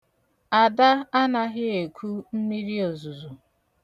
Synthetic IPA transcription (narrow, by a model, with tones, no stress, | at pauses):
a˨da˦a˦na˦ɦɪ˦e˨kʷʰu˦m̩˦mi˦ɾi˦o˨zu˨zu˨